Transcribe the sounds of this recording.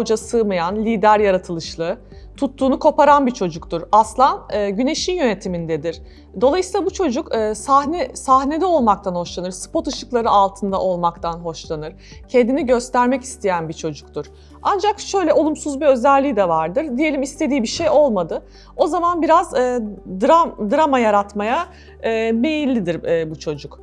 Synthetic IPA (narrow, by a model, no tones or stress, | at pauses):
d͡ʒasɯːmajanlʲiːd̪æɾjaɾat̪ʰɯlˠɯʃlˠɯ | t̪ʰut̪ʰːuːnukʰo̞paɾanbit͡ʃʰo̞d͡ʒuk̚t̪uɾaslˠanɯːɟyne̞ʃinjø̞ne̞t̪ʰimind̪ɛd̪iɾ̥ | d̪o̞lˠajsiːlˠabut͡ʃʰo̞d͡ʒukːsahnɛsahne̞d̪ɛo̞lˠmak̚t̪ʰanho̞ʃlˠanɯɾsɯ̥po̞t̪ɯʃɯklˠaɾɯalˠt̪ʰɯnd̪a̰ʔo̞lˠmakt̪ʰanɦo̞ʃlˠanɯɾ | cʰend̪iniɟø̞st̪ʰæɾmɛci̥st̪ʰejænbit͡ʃʰo̞d͡ʒuk̚t̪ʰuɾ̥ | and͡ʒakʃø̞jlʲɛo̞lˠumsuzbiø̞zælʲːiːd̪ɛvaɾd̪ɯɾd̪ije̞lʲimist̪ʰed̪iːbiʃejo̞lˠmad̪ɯ | o̞zamanbiɾazːd̪ɾad̪ɯɾamajaɾat̪majaː | me̞jilʲːid̪iɾːbut͡ʃʰo̞d͡ʒuk